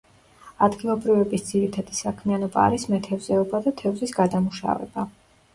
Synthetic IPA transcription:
ad̪ɡilˠɔbɾivɛbisd̪z̥iɾit̪ʰad̪̥isakʰmianɔba̰ːɾismɛt̪ʰɛvzɛɔbad̪at̪ʰɛvzisɡad̪amuʃa̰vɛ̰b̥a

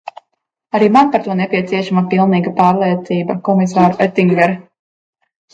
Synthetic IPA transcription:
aɾiːmanpaɾt̪uɔnɛpiɛt̪siɛʃamapilˠniːɡapaːɾlˠiɛt̪siːbakɔmis̬aːɾuɛt̪iŋɡɛɾ

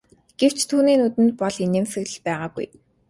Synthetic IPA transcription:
ɡ̥ew̥t͡ɕt̪ʰuːniːnut̪ɘ̆nt̪̚pɔɮinemsɘ̆ɣɮɮpæːʁaːɡṵj

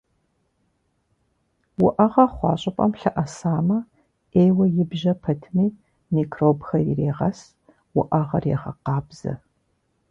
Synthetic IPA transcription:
wʊʔɐʁɐχʷɑ̰ːɕʼɪpʼɐ̰mɬɐʔɐsaːmɐ | eːjwɐjɪbʒɐpʰɐtʰmiː | miːkʰroːbxɐjireːʁɐs | wʊʔɐʁɐrḛːʁɐ̰qɑːbz̥ɐ̰

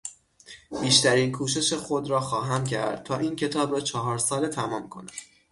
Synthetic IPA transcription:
b̥iːʃt̪æɾiːnkʰuːʃe̞ʃexo̞d̪ɾɒːxɒːɦæmcʰæ̰ɾd̪̥̚t̪ʰɒːʔiːncʰe̞t̪ʰɒːbɾɒːt͡ʃʰɒːɦɒːɾsɒːle̞t̪ʰæmɒːmkʰo̞̰næm̥

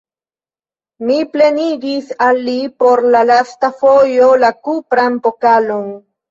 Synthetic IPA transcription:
miple̞niɡisalːipo̞ɾlalastafo̞jo̞lakupɾanpokalon

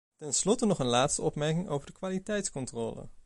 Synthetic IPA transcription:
tɛnslɔtənɔχənlaːtstəɔpmɛɹkɪŋo̰wvəɹdəkʋaːlitɛjtskɔntrɔːlə̰

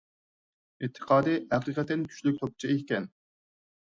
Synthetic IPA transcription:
it̪ʰːə̥qʰɑːd̪ɨæqiqɛt̪ɛnt̪ʰy̥ʃlykʲt̪ʰop̚t͡ʃʰiekʲɛn

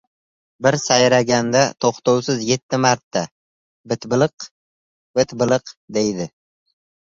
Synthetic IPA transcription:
bɪɾsajɾaɡʲand̪at̪ʰoχt̪owsɪzje̞t̪ʰːɪmaɾt̪ʰːa | bɪt̪bɪlˠq | bɪt̪bɪlˠɨqd̪e̞jd̪ɪ

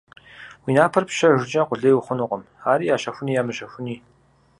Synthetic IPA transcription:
wiːnaːpʰɐrpɕɐʒʷɪd͡ʒʼɐqʷʊɮejwʊχʷʊnuːqʼəm | aːɾiːjaːɕɐxʷʊniːjaːmɨɕɐxʷʊniː

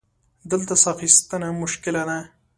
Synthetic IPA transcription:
d̪əlt̪asaxist̪ənamʊʃkɪlana

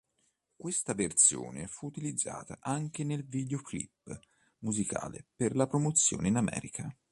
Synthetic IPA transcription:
kwest̪avert̪sjo̰ːnefuːt̪ilid̪zːa̰ːt̪aʔaŋk̟enelvid̪eoklḭpː | muzika̰ːlḛperlapɾomot̪sːjo̰ːneinamɛ̰ːɾikʰa

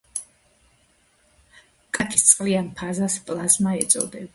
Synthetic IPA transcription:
kʼakʼist̪sʼqʼlianpʰazaspʼlˠazmaɛt̪sʼɔ̰d̪ɛba

